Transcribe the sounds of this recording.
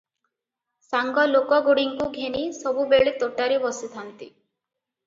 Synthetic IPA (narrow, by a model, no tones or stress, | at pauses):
saŋɡɔlokɔɡuɽiŋkuɡʱenisɔbubeɭit̪oʈaɾibɔsit̪ʰant̪i